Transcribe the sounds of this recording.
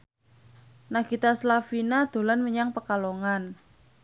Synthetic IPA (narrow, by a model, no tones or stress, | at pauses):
naɡ̥it̪aslafinad̪̥o̤lanməɲaŋpəkaloŋan